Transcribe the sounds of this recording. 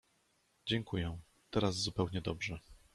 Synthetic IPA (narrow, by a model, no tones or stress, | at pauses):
d͡ʑɛŋkujɛ | t̪ɛɾaz̬zupɛwɲɛd̪ɔbʐɛ